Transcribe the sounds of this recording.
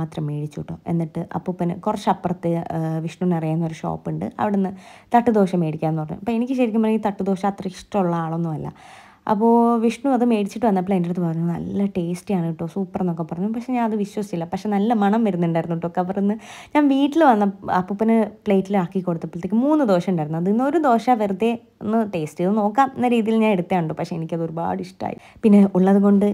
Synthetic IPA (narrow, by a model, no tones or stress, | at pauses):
aːt̪rɐmːe̞ːɽit͡ɕːuʈːoːʔe̞̰nːiʈːɨʔɐ̰pːoːpinɨkurɐt͡ɕːɐpːrɐt̪ːɨʋiʂɳuʋnɐrijaːnːɐoɾuʂo̞̰ːpːɨɳɖɨ̰ɐ̰ʋiɽenːɨt̪ɐʈːud̪o̞ːɕɐmːe̞ːɽikʲːaːenːɨpɐrɐɲːṵɐpːoenikʲːɨɕɐɾikʲːumborɐit̪ɐʈːud̪o̞ːɕɐmɐt̪rɐiʂʈɐmuɭːɐaːɭo̞nːuʋɐlːɐ̰ | ɐ̰pːo̞ːʋiʂɳuɐðɨme̞ːɽit͡ɕːiʈːɨʋɐnːɐpɭeːndilɨt̪ːɨpɐrɐɲːunɐ̰lːɐʈe̞ːsʈɨjaːɳiʈːo̞ːsuːpːɐrenokːepːɐrɐɲːupɐkʂeɲaːnɐðɨʋiɕwɐsiilːɐpɐkʂe̞nɐlːɐmɐɳɐmʋɐɾunːuɳɖaːjɾunːuʈːokːeɐʋɐrenːɨɲaːnʋiːʈːilʋɐnːɐɐ̰pːupːɐnɨpɭe̞ːtːilaːkːikːo̞ɽut̪ːɐpːilt̪ekːɨmuːnːɨd̪o̞ːʂɐmuɳɖaːjɾnːuɐðinːɨo̞ɾud̪o̞ːʂɐʋɐrt̪ːe | onːɨʈe̞ːsʈɨnɨno̞ːkːaːmenːɐɾiːðijilɲaːne̞ɽut̪ːjaːuɳɖoːpɐkʂe̞enikʲːɐðɨo̞ɾuba̰ːɽɨiʂʈa̰ːjḭpinːe̞ʔuɭːɐðuɣo̞ɳɖɨ